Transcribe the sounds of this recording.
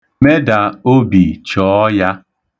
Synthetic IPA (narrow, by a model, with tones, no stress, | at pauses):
me˦da˨o˦bi˨t͡ʃɔː˨˦ja˦